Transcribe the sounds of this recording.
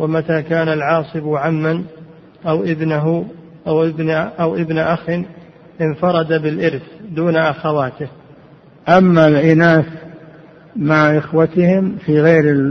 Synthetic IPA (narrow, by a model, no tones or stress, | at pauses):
wamat̪aːkaːnalʕɑːsˤɨbʕamːan | ʔawʔɪbnaɦʊ | ʔabʔawʔɪbnaʔaxɪn | ʔɪnfɑɾˤɑd̪abɪlʔɪɾθd̪uːnaʔaxawaːt̪ɪh | ʔamːalʔɪnaːs | maʕʔɪxwat̪ɪhɪmfiːɣeːɾɪ